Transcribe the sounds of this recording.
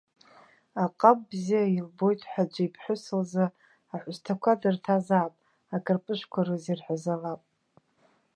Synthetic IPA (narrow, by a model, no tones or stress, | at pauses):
aqʼambzijailbo̞jtʼħʷad͡ʒʷaipʰħʷʊsɨlza | aħʷʊstʰakʷʰadɨrtʰazaːpʼ | akʼɨrpʼɨʃʷkʷʰaɾɨzirħʷazalapʼ